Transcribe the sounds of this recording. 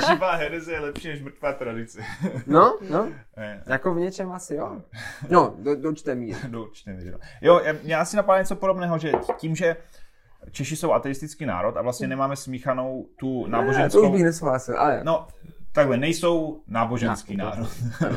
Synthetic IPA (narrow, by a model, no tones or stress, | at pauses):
ʒɪvaːɦɛɾɛzɛjɛlɛpʃiːnɛʃmr̩t̪vaːt̪ɾadɪt͡sɛnono | ɛjakovɲɛt͡ʃɛmasɪjonododot͡ʃt̪ɛmiːdot͡ʃt̪ɛmḭɾo̰jojaːmɲɛʔasɪnapadaːɲɛt͡sopoɾobnɛːɦoʒɛciːmʒɛ | t͡ʃɛʃɪso̞wʔat̪ɛɪst̪ɪt͡skiːna̰ːɾo̞t̪avlast̪ɲɛnɛmaːmɛsmiːxano̞wt̪una̰ːboʒɛnsouʒbɪxnɛsowɦlaːsɪlʔa̰lɛ̰not̪aɡlɛnɛjso̞wnaːbo̞ʒɛnskiːna̰ːɾot̪